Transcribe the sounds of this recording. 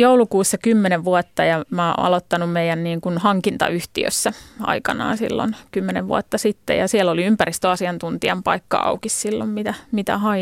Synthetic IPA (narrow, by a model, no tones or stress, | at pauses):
joulukuːsːɑkymːeneʋʋuɑt̪ːɑjɑmɑːɑ̰lot̪ːɑnummeijænniːŋkunhɑŋkint̪ɑ̰yht̪ḭø̰sːæɑ̰ikɑnɑ̰ːnsḭlːo̰nkymːeneʋʋṵɑt̪ːɑsit̪ːḛjɑsiɛloliympærist̪øɑsiɑnt̪unt̪iɑmpɑ̰ikːɑ̰ɑ̰ukissilːo̰mmit̪æmit̪æ̰hɑj